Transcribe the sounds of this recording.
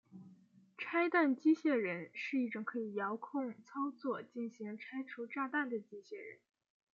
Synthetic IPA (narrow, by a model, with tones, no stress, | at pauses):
ʈ͡ʂʰa˥ɪt̪a˥˩nt͡ɕi˥ɕjɛ˥˩ɻə˧˥nʂɻ̩˥˧i˥˩ʈ͡ʂʊ˨˩ŋkʰɤ˧˥i˨˩jɑ˧˥ʊkʰʊ˥˧ŋt͡sʰɑ˥ʊt͡swɔ˥˩t͡ɕi˥˩nɕi˧˥ŋʈ͡ʂʰa˥ɪʈ͡ʂʰu˧˥ʈ͡ʂa˥˧t̪a˥˩nd̪ə˩t͡ɕi˥ɕjɛ˥˩ɻə̰˧˥n